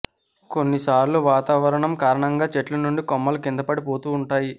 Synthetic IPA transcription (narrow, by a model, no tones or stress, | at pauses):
konːisaːɾluʋaːt̪aːʋɐɾɐɳɐmkaːɾɐɳɐŋɡaːt͡ʃeʈlunuɳɖikɔmːɐlɐkind̪ɐpɐɽipo̞ːt̪uːɳʈaːji